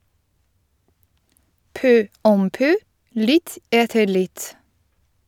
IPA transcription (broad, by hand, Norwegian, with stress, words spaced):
ˈpœ ˈɔm ˈpœ ˈlɪt ˈeːtəɾ ˈlɪt